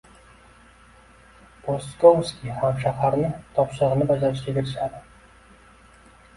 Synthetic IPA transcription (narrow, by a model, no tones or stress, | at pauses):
boskowskʲihamʃahaɾnɪt̪ʰɒpʃɨʁɨnɪbad͡ʒaɾɪʃkʲakʲɪɾɪʃad̪ɪ